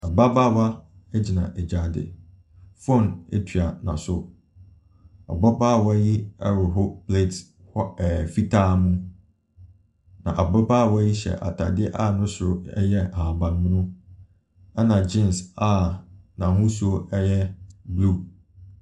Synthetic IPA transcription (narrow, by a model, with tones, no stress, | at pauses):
a˨ba˦ba˦˨wa˦ɛ˦d͡ʑi˨nã̰˨ʔɛ˨d͡ʑa˨dɪ̰˨ | fõ˦˨nḛ˦tʰɥa˨nã̰˨sʊ˦ | a̰˨bɔ˦baː˦˨wɔ˦ji˦ɛ˦ɾʊ˨ɦʊ˦pʰle˦˨t | hɔ˦ɛ˨fi˦tʰaː˦mũ˦ | nã̰˨ʔa˨bɔ˦baː˦˨wɔ˦ji˦ɕɛ̰˨ʔa̰˨tʰa̰˨dɪ˦ɛ˦ʔa˦nʊ̃˦sʊ˨ɾʊ˦ɛ̰˦jɛ˦ã˨bã˨n˦mʊ̃˦nʊ̃˦ | ɛ˦nã˨d͡ʑĩ˦˨nsa˦nã˨hʊ̃˦sʊ˨˦o˦ɛ˦jɛ˦blu˦˨